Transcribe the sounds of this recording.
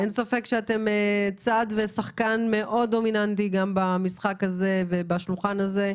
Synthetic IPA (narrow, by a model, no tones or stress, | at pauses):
ensafe̞kʃeate̞met͡sad̪vesaχkanme̞ʔo̞do̞minantiɡambamisχakaze̞vebaʃulχanaze̞